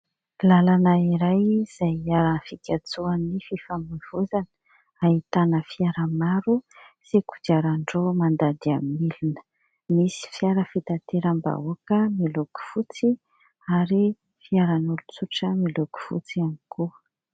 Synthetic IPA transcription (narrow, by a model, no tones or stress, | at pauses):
lalanaiɾajz̥ajaɾanfikʲat͡suanififamiv̥uzanə̥ | ait̪anəfiaɾəmaɾusikud͡ʒaɾaɳɖ͡ʐomand̪ad̪iamilinə̥ | misi̥fiaɾəfit̪at̪eɾamba̰uakəmiluku̥fut͡si | aɾi | fiaɾanulut͡suʈ͡ʂəmiluku̥fṵt͡siamiku